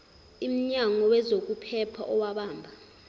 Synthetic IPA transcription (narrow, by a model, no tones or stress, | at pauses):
im̩ɲaŋɔwɛzok̬upʰɛpʰaʔɔwaɓaːmbʱa